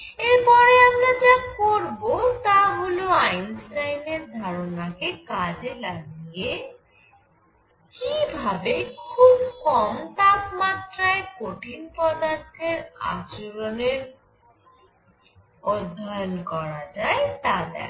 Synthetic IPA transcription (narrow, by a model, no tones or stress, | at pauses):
eɾpɔɾeamɾad͡ʑakoɾbot̪aɦoloajnsʈajneɾd̪ʱaɾonakekad͡ʑelaɡije | kibʱabekʰubkɔmt̪apmat̪ɾaekoʈinpɔd̪aɾt̪ʰeɾa̰t͡ɕoɾoneɾ | od̪ʱːajonkɔɾad͡ʑaet̪ad̪ɛ̰